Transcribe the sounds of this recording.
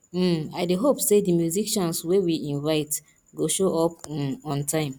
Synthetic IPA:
aɪdeɦopsedimjuzikʃɔ̃nswewiĩnvaɪt | ɡoʃoʔɔp̩ɔ̃ntʰãɪ̃m

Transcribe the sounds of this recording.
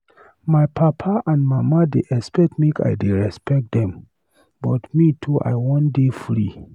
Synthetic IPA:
mapʰapʰaʔãndmamadeʔɛspɛk̚tmeka̰jdeɹɛspɛk̚dɛ̃m | bɔtmitʰuʔa̰jwɔ̃ndefɹḭ

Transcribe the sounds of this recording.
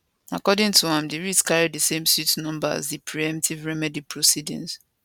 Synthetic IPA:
akɔdɪ̃ŋtʰuãmdeɹiskaɹiddəsẽmsutnɔ̃mbaa̰zðipʰɹiɛ̃mtʰivɹɛmɛdipʰɹosidḭ̃ŋs

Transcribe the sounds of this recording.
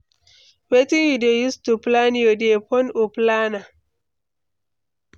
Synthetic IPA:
wetĩŋwidiojustuplãnjodepʰɔ̃noplana

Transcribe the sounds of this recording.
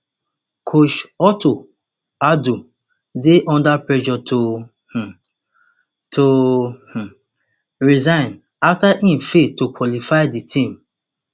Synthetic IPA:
kʰoʃɔto | adu | deʔɔ̃ndapɹɛʒɔtʰo | h̩ | tʰoh̩ | ɹizãɪ̃n | aftaʔĩmfetokwɔlifaɪditʰĩm

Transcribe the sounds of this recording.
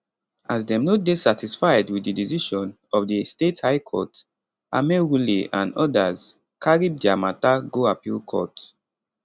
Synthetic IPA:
azdɛ̃mnot̚desatʰisfaɪdwididiziʃɔ̃n | ɔvdistethaɪkʰɔ̰t | ʔa̰mewuliã̰nɔdaz | kʰaɹib̚diamataɡoapilkʰɔ̰t

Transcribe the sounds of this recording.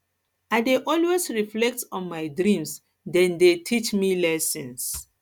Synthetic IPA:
aɪdeʔɔlwesɹiflɛk̚tɔ̃nmajdɹĩms | dɛ̃ndetʰit͡ʃmilɛsɛ̃ns

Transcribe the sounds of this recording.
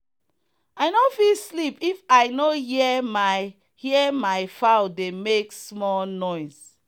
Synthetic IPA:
aɪnofilslipifaɪnoɦiɛma | hiɛmaɪfaʊdemeksmɔlnɔɪs

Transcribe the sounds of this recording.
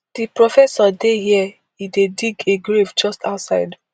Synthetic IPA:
d̥ipɹofɛsɔdehiɛ | idediɡeɡɾevd͡ʒɔstaʊtsaɪd

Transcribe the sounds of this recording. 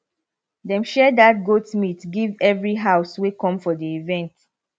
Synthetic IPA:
dɛ̃mʃɛdat̚ɡotmitɡivɛvɹiɦaʊswekɔ̃mfɔdiivɛ̃nt

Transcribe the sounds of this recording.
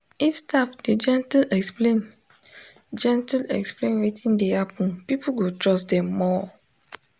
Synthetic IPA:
ifstapd̥ed͡ʒɛ̃ntlɛksplẽn | d͡ʒɛ̃ntlɛ̰ksplẽnwetʰĩndeapũpipuɡotɹɔsdɛ̃mːɔ

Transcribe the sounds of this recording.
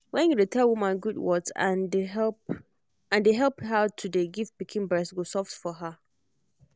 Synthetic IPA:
wɛ̃njuditʰɛlˠwumãnɡudwɔtã̰ndeɛ | ãndeɦɛlˠphatʰudeɡivpikʰĩnbɹɛsɡosɔftfɔɦə

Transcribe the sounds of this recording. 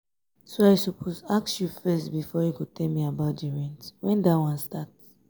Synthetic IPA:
soaɪsopʰozaksjufɛstbifɔjukutʰɛlmiabaʊtdiɹɛ̃ntwɛ̃ndatwãnstats

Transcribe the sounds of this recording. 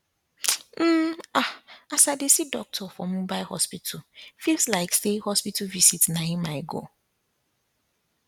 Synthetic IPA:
m̩aasadesidɔk̚tʰɔfɔmũbaɪhɔspitʰufilslaɪkstehɔspituvisitnãĩmãɪɡo̰

